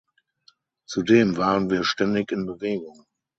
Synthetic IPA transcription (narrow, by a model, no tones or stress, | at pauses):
t͡sudeːmvaːʁənviːɐʃtɛndɪçɪnbəveːɡʊŋ